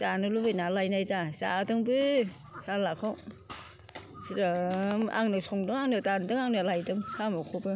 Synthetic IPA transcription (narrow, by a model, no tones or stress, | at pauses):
t͡ʃanɯlubɯjnalajnajdasa̰dɯŋbɯ | salakʰaw | siɾɯma̰ŋnɯsɔŋdɯŋaŋnɯtandɯŋaŋnɯlajdɯŋsamɔkʰobɯ